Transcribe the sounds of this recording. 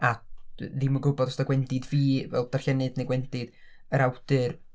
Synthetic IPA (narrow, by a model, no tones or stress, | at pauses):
aðiməɡʊbɔdɔstaɡwɛndɪdviːvɛ̰lˠd̥arɬɛnɨdnejɡwɛnd̥ɪd̥ | əɾawd̥ɨr